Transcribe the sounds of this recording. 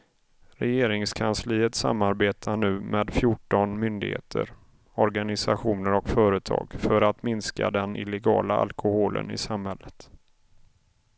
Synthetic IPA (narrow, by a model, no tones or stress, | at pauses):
ɾɛjeːɾɪŋskʰansliːət̪sa̰mːaɾbeːt̪ʰaɳʉ̟ːmeːd̪fjʊʈːɔnmʏnd̪ɪ̰ɡhḛːt̪ʰə̰ɾ | ɔɾɡanɪsaɧuːnəɾɔkfœːɾət̪ʰɑ̰ːɡfœɾat̪mɪnska̰d̪ɛnɪlɛɡɑːlaʔa̰lkʰʊhoːlʔə̰nɪ̰samhɛlːət̪